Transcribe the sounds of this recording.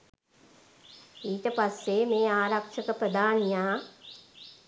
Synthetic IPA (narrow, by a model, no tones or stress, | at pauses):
iːʈəpasːemeːaːɾakʂəkəpɾəd̪aːnijaː